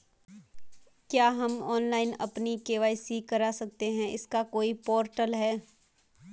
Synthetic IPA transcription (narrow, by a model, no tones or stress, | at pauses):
kjaːɦɐmɔːnlaːɪnɐ̰pnikeːʋaːisikɐɾasɐk̚t̪eɦɛ̃ʔɪskakoːipɔːɾʈəlɦɛː